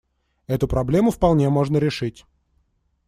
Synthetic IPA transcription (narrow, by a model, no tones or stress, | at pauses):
ɛt̪ʊpɾɐblʲe̞mʊfpɐlˠnʲe̞mo̞ʐnəɾʲɪʂɨtʲ